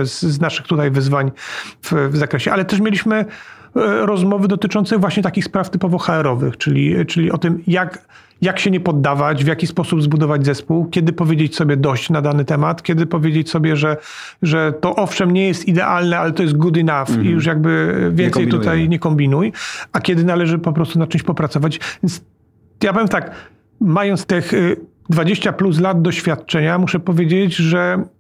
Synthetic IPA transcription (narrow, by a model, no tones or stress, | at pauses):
sznaʂɘxt̪ut̪ajvɘzvaɲvvzakɾɛɕɛʔalɛt̪ɛʂmʲelʲiɕmɘ | ɾɔzmɔvɘd̪ɔt̪ɘt͡ʂɔnt̪sɛvwaɕɲɛt̪akʲixspɾaft̪ɘpɔvɔxaɛɾɔvɘ̰xt͡ʂɘlʲḭt͡ʂɘlʲiʔɔt̪ɘmjak | jakɕɛɲɛpɔd̪ːavad͡ʑvʲjakʲispɔsubzbud̪ɔvad͡ʑzɛspuwkʲɛd̪ɘpɔvʲjed͡ʑet͡ɕsɔbʲjɛd̪ɔɕt͡ɕnad̪anɘt̪ɛmat̪kʲjɛd̪ɘpɔvʲjed͡ʑet͡ɕsɔbʲjɛʐɛ | ʐɛt̪ɔʔɔfʂɛmɲɛjɛst̪id̪ɛʔalnɛalɛt̪ɔjɛs̬d̪̚ɡud̪ɘnafijuʂ̬jaɡbɘvʲjɛnɛjt̪ut̪ajɲɛkɔmbʲinujakʲɛd̪ɘnalɛʐɘpɔpɾɔst̪unat͡ʂɛ̃mɕt͡ɕʲpɔpɾat̪ɔvat͡ɕvʲjɛnt̪s | japɔvʲeɛmnt̪ak | majɔnt̪st̪ɛx | d̪vad͡ʑeɕt͡ɕaplus̬lad̪d̪ɔɕfʲjat̪̚t͡ʂɛɲamuʂɛpɔvʲjed͡ʑed͡ʑʐɛ